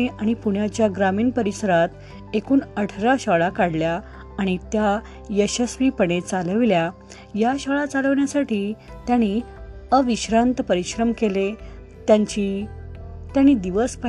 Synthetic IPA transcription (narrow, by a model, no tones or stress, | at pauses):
iʔaɽ̃ipuɳjat͡ɕjaɡɾamiːnpəɾisəɾat̪ | ekʰuːnəʈʰɾaɕəɭakaɽljaː | ɽ̃it̪ja | jəɕəsʋiːpəɳet͡saləʋlja | jaɕəɭat͡saləʋɳjasaʈiː | t̪jañiː | əʋiɕɾant̪pəɾiɕɾəmkele | t̪jaɲt͡ɕi | t̪janːiːd̪iʋəspa